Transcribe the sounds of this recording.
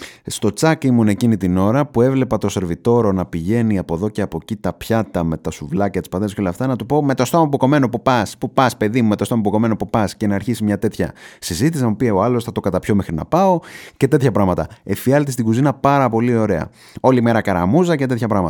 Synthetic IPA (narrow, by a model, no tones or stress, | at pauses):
st̪o̞t͡sɐkimunecinit̪ino̞ɾɐpue̞vle̞pɐt̪o̞se̞ɾvit̪o̞ɾo̞nɐpiʝe̞niɐpo̞ðo̞ceɐpo̞cit̪ɐpçɐt̪ɐme̞t̪ɐsuvlɐcet̪i̥spɐðeskeolɐft̪ɐnɐt̪upo̞met̪o̞st̪o̞mɐp̬uko̞me̞nopupɐspupɐspe̞ðimumet̪ost̪omɐp̬uko̞me̞nopupɐsce̞nɐːɾçisimɲɐt̪e̞t̪çɐ̰sizit̪isɐmupieoɐlo̞sθɐt̪o̞kɐt̪ɐpço̞mexɾinɐ̰pɐo̞ce̞t̪e̞t̪çɐpɾɐɣmɐt̪ɐefiɐlt̪ist̪iɡuzinɐpɐɾɐpo̞lio̞ɾe̞ɐ̰ | o̞lime̞ɾɐkɐɾɐ̰muzɐce̞t̪e̞t̪çɐpɾɐɣmɐt̪